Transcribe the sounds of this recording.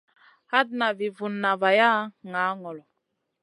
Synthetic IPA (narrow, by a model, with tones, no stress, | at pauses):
ha˦dna˨vi˨vu˨nːa˨va˨ja˦ŋa˨˦ŋɔ˨lɔ˨